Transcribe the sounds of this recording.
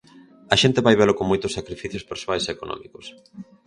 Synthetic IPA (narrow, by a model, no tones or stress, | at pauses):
ɐʃent̪eβajβelʊkoŋmojt̪ʊsakɾifiθjospeɾsoajseekonɔ̰̃mikos